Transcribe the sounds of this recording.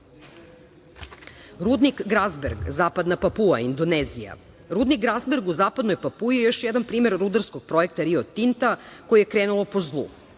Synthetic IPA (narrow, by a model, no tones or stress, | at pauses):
ɾud̪nikɡɾazbeɾɡzaːpad̪napapua̰ind̪oneːzija̰ | ɾuːd̪nik̚ɡɾazbeɾɡuzaːpad̪no̞jpapuijejo̞ʃjɛd̪anpɾiːme̞ɾɾud̪aɾskoɡ̥̚pɾo̞e̞k̚t̪aɾiot̪int̪ako̞jijekɾeːnulo̞po̞zlˠṵ